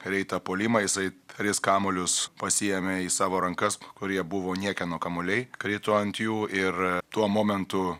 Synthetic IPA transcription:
ɾʲɛɪt̪ɐpoːlʲimɐjɪsɐɪt̪ɾʲɪskɑːmolʲʊspɐsʲɪjɛmʲeiːsɑːʋoːɾɐŋkɐskʊɾʲiɛbʊʋoːnʲiɛkʲɛnoːkɐmolʲɛɪkɾʲɛɪt̪oːɐnt̪juːʔɪrt̪uɔmoːmʲɛnt̪ʊ

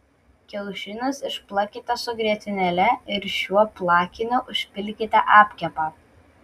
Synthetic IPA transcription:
kʲɛlˠʃʲɪnʲʊsɪʃplˠɐkʲɪt̪ʲɐsʊɡɾʲiɛt̪ʲɪnʲɛlʲɛɪɾʃʲuɔplˠɑːkʲɪnʲʊʔʊʃʲpʲɪlʲkʲɪt̪ʲɐʔɑːpʲkʲɛpɑː

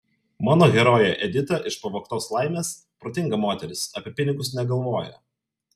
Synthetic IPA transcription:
mɑːnoːɡʲɛɾoːjɛʔɛd̪ʲɪt̪ɐʔɪʃpɐʋoːkt̪oːslˠɐɪmʲeːs | pɾoːt̪ʲɪŋɡɐmoːt̪ʲɛɾʲɪsɐpʲɛpʲɪnʲɪɡʊsnʲɛɡɐlˠʋoːjɛ̰

